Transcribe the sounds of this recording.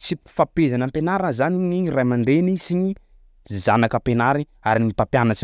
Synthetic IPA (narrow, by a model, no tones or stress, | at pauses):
t͡sifapezanampenaɾazaniɲiɲirajmand̪enisiɲi | zanakəpenaɾi | aɾinipapjanət͡si